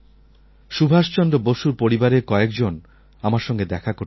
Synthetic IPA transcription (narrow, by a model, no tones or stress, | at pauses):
ʃubʱaʃt͡ɕɔnd̪ɾoboʃuɾpoɾibaɾekɔekd͡ʑon | amaɾʃɔŋɡed̪ɛkʰakoɾ